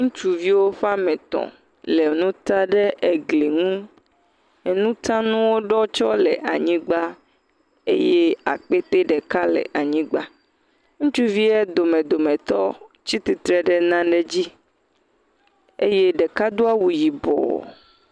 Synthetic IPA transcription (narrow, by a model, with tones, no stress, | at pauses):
ŋũ˦t͡ʃu˨vi˦wo˦ɸa˦mɛ̃˨t̪ɔ̰̃˨ | le˨nũ˦t̪a˦ɖɛ˦ʔe˨ɡle˨ŋũ˦ | ɛ˨nũ˦t̪ã˦nũ˦wo˦ɖɔ˦t͡ʃɔ˦lɛ˨ʔa˨ɲĩ˦ɡ͡ba˦ | ḛ˦je˦a̰˨k͡pe˦t̪e˦ɖɛ˨ka˦lɛ̰˨ʔa˨ɲĩ˦ɡ͡ba˦ | ŋũ˦t͡ʃu˦vi˦ɛ˦d̪o˨mẽ˨d̪o˨mẽ˨t̪ɔ˦ | t͡ɕi˦t̪i˨t̪ɾɛ˨ɖɛ˦˨nã˦ɖɛ˦d͡ʑi˦ | e˦je˦ɖɛ˨ka˦d̪o˦a˦wu˨ji˨bɔ̰˨